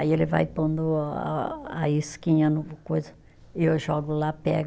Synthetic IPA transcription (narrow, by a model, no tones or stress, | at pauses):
aielɪva̰jpõnd̪ʊ̰ | aiskĩɲɐnukojzɐ | ɪewʒɔɡʊlapɛ̰ɡ